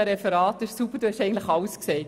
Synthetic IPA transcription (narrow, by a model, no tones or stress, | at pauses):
əɾɛfɛɾɑːt̪ɪʃsupəɾd̥uhɛʃɛɪɡn̩tlɪxɑlskseː